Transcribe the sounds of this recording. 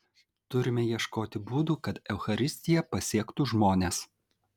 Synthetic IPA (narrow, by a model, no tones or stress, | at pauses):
t̪ʊɾʲɪmʲɛjiɛʃkoːt̪ʲɪbuːd̪uːkɐt̪ɛʊxɐɾʲɪsʲt̪ʲɪjɛpɐsʲiɛkt̪uːʒmoːnʲeːs